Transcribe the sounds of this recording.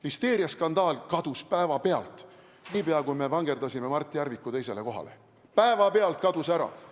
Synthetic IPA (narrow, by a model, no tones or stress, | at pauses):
list̪e̞ːɾijɑskɑnd̪̥ɑːlkɑd̪̥uspæevɑpe̞ɑ̰lt̪ˑ | niːpeɑkujme̞vɑŋɡe̞rd̪ɑsʲime̞mɑrt̪ʲːˑijæɾvikːut̪e̞js̬e̞le̞ko̞ɦɑ̰le̞̰ | pæevɑpe̞ɑlt̪̚kɑd̪usæɾɑ̰